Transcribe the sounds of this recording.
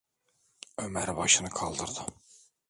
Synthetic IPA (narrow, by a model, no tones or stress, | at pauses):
ømæɾbɑʃɯnɯkʰɑlˠd̪ɯɾd̪ɯ